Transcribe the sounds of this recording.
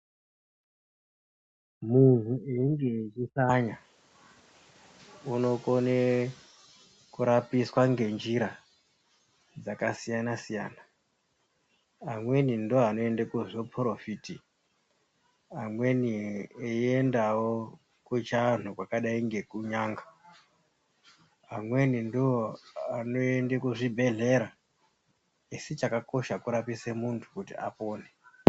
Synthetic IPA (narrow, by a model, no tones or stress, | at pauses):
mun̤ueiŋɡet͡ʃisaɲa | uno̞kone | kuɾapiswaŋɡe̞nd͡ʒiɾa | d͡zakasijanasija̰ːna | amwe̞nindoɦano̞endekuʐopʰrofiːti | amwe̞nieiendawo | kut͡ʃan̤ukwakaɗaiŋɡe̞kuɲaːŋɡa | amwe̞nindioanoendekuʐibʱe̞ɮe̞ɾa | iset͡ʃakako̞ʃakuɾapisemuntʰu̥kutḭʔa̰poːne